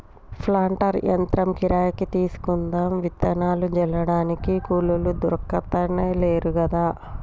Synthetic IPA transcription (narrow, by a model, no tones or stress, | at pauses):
pʰlaːɳʈɐɾjɐ̰nt̪ɾɐmkiɾaːjɐkit̪iːsu̥kund̪aːmʋit̪ːɐnaːlud͡ʒɛlɐɽaːnikikuːlulud̪uɾkːɐt̪ɐneːleːɾukɐd̪aː